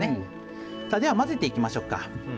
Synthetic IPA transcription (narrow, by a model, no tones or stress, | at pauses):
e | saːd̪e̞βamaze̞t̪e̞ikʲimaɕo̞kːa̰